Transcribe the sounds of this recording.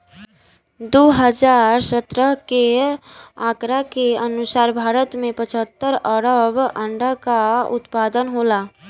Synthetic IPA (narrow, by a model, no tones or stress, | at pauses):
d̪oɦəd͡ʒaːɾsət̪ɾəɦke | aːkɾakeənʊsaːɾbʱaːɾət̪mẽpət͡ʃʰət̪ːəɾəɾəbə̃ɳɖəkaʊ̰t̪pad̪ənɦola